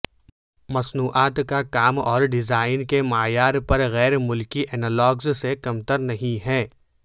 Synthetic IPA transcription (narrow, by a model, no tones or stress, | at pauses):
mɐsnuːʔaːt̪kakaːmɔːɾɖɪzaːɪnkemaːjaːɾpɐɾɣɛːɾmʊlkiʔɛːnəlɔːɡzsekɐmt̪əɾnɐɦĩɦɛ̃ː